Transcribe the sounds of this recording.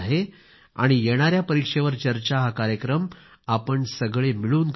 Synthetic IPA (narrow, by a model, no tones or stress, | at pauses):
ɦe | a̰ɽ̃ijeɽ̃aɾjapəɾikʂeʋəɾt͡ɕəɾt͡ɕaɦakaɾjəkɾəm | apəɳsəɡɭemiɭuːnk